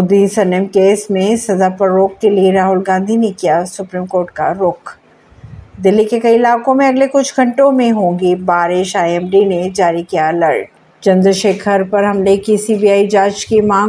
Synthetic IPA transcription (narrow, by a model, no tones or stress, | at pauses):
mʊd̪isɐnɪmkeːsmẽsɐd̪apəɾːoːkːelieɾaːɦʊlɡãːnd̪ʱinekijasʊpɾiːmkoːɾʈ̚ka̰ɾʊk | d̪ɪlːikekɐiɪlaːkõmẽɐɡlekʊt͡ʃʰɡɐ̃ɳʈõmẽɦõːŋɡibaːɾɪʃaːjɛːmɖined͡ʒaːɾikijalɐ̰ɾʈ | t͡ʃɐ̃nd̪ɾʃeːkʰəɾpɐɾɦɐmlekisiːbiaːid͡ʒaːt͡ʃkimaː